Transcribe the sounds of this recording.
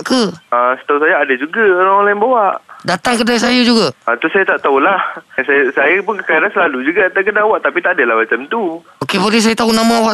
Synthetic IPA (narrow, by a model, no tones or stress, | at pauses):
ʔkəasə̥t̪aus̬ajaadad͡ʒuɡaoɾaŋolajɛnbawaʔdat̪aŋkədaasajad͡ʒuɡaat̪usajat̪aʔt̪aulahsajasajapʊnkəkaiɾansəlalud͡ʒuɡat̪akədawaʔt̪apit̪aʔadəlahmat͡ʃamt̪u | okepolis̬ajat̪aunamãwa